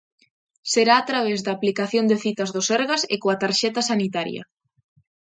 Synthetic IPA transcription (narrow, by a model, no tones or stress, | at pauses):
seɾaːt̪ɾaβ̞ɛzðaːplikaθjond̪eθit̪ɐzðʊsɛɾɣasḛkoat̪aɾʃɛt̪ɐsanit̪aɾjɐ̰